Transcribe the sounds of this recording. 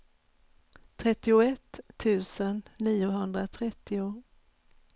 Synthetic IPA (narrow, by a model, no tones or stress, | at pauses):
t̪ʰɾɛt̪ːɪʊɛt̪ʰːʉ̟ːsənːiːʊɦɵnd̪ɾat̪ʰɾɛt̪ːɪʊ